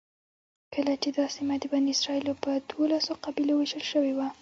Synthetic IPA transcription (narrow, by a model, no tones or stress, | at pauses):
kʰəlat͡ʃed̪ɑsimad̪əbaniɪsɾɑilopəd̪wolasoqabiloweʒəlʃəwewa